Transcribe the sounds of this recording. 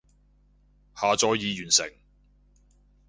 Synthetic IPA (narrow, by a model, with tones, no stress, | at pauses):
haː˨t͡sɔː˨˧jjiː˨˧jyː˨˩nsɪ̰˨˩ŋ